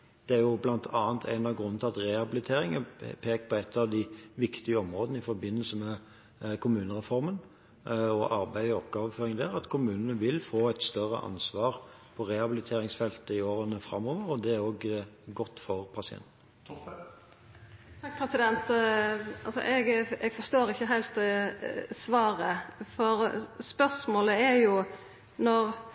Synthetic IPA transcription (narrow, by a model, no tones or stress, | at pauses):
d̪̥ɛæɾjʊblɑnt̪ʰɑːənt̪ʰæ̰ɪnɑʋɡɾʉnːnt̪ʰɪlɑt̪ʁɛhɑbɪlɪt̪ʰeːɾɪŋəpʰeːk̚pʰɔɛt̪ːɑʋd̪ɪʋɪkt̪ɪəɔmʁoːd̪ənəɪfɔɾbɪnːəlsəmɛ | kʰʊmʉːnəʁɛfɔɾmən | ɔʔɑɾbæɪɔpkɑːʋəføːɾɪŋd̪æːʁɑt̪kʰʊmʉːnənəʋɪlfoːæɪt̪st̪œrə̰ʔɑ̰nsʋɑːʁpʰɔɾɛhɑbɪlɪt̪ʰeːɾɪŋsfɛlt̪əɪoːɾənəfɾɑ̰mːoːʋəɾɔd̪ɛæɾoːɡɡɔt̪ːfɔʁpʰɑsɪɛ̰nt̪n̩ | ɑŋkpʰɾɛsɪd̪ɛnt̪ | ɑ̰lsɔ̰ʔɛɡɛɡfɔst̪oːɾɪçːəɦæɪlt̪ | sʋɑːɾəfɔɾspœsmoːləæɾjʊ | nɔɾ